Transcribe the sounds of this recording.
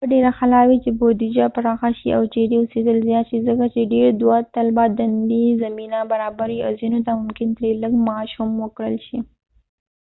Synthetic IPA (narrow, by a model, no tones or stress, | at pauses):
əɖeɾaxalɑwit͡ʃebod̪id͡ʒapaɾɑxaʃiʔawt͡ʃeɾeʊsed̪əlzjɑt̪ʃizəkat͡ʃeɖeɾd̪wɑt̪ːalbɑd̪and̪izaminabaɾɑbaɾia̰wzinot̪amʊmkɪnt̪ɾeləɡmɑʃumwəkɽəlʃi